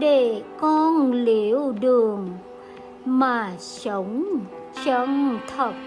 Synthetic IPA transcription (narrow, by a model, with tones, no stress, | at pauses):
ɗe˧˩kɔ˧nli˧˨˦əwɗɨ˨˩əŋ | maː˨˩sə˨˦wŋ͡m | t͡ɕə˧ŋt̪ʰə˨˩t̚